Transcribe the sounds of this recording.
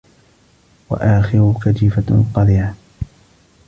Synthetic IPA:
wa̰ʔaːxɪɾʊkad͡ʒifaqɑd̪ˤiːʕa

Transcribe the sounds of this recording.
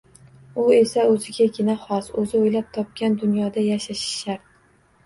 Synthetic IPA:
ʊe̞saɵzɪɡʲaɡʲɪnaχɒsɵzɪojlap̚t̪ʰɒp̚kʲand̪ʊnjɒd̪ajaʃaʃɪ̥ʃaɾ

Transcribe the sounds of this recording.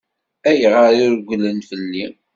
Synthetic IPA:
æjəʁəɾiɾɡʷlənfəlːi

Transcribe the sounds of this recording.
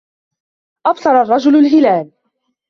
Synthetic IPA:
ʔɑbsˤɑɾˤɑrˤːɑd͡ʒʊlalɦɪlaːl

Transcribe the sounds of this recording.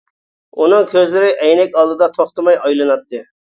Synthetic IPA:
unɨŋkʲʰøzlɪɾɪʔɛjnɛkʲɑlˠd̪ɨd̪ɑt̪ʰoχt̪ɨmɑjɑjlˠɨnɑt̪ːɨ

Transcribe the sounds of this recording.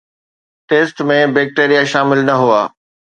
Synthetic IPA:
ʈeːsʈmẽbeːk̚ʈeːɾijaʃaːmɪlnɐɦuaː

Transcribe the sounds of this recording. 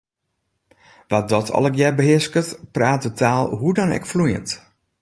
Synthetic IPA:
ʋat̚dɔtʰɔ̰lˠəkjɛbəɦɪskətpraːt̚dətʰaːlˠɦudɔnɛ̰kflujə̰nt

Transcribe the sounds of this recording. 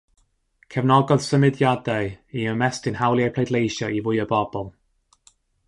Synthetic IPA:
kʰɛvnɔɡɔd̥səmɪdjadajiəmɛstɪnhawlˠiajpʰl̥ejdlejʃɔʔivʊjəbɔb̥ɔlˠ

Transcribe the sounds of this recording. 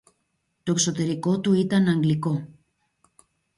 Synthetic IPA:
t̪o̞ekso̞t̪e̞ɾiko̞t̪uit̪ɐnɐŋɡliko̞

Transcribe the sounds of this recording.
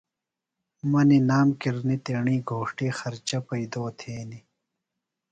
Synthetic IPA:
mɐninaːmkiɾnit̪eːɳĩːɡʱoːʂʈiːxɐɾt͡ɕɐpɐid̪oːt̪ʰeːni

